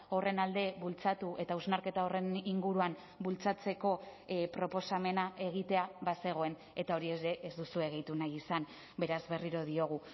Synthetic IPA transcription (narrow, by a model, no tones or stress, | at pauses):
o̞re̞nald̪e̞βult͡sat̪uʔe̞t̪auznaɾke̞t̪ao̞re̞niŋɡuɾuam | bult͡sat͡se̞ko̞pɾo̞po̞same̞nae̞ɣ̞it̪e̞aβase̞ɣ̞o̞e̞n | e̞t̪ao̞ɾie̞zɾe̞ʔezd̪usue̞ɣ̞ejt̪unajisan | be̞ɾazβe̞riɾo̞ð̞io̞ɣ̞u